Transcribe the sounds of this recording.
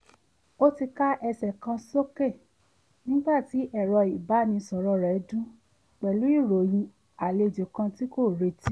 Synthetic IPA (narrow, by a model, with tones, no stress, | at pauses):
o˦ti˧ka˦ʔɛ˧sɛ˨kã˧so˦ke˦˨ | nĩ˦ɡ͡ba˦˨ti˨˦ʔɛ˦˨ɾɔ˧i˨ba˨˦nĩ˧sɔ˨ɾɔ˧ɾɛ˨˦dũ˦ | k͡pɛ˨lu˨˦i˦˨ɾo˨j̃ĩ˧ | a˨le˧˨d͡ʒo˨kã˧ti˦ko˦˨ɾe˧ti˦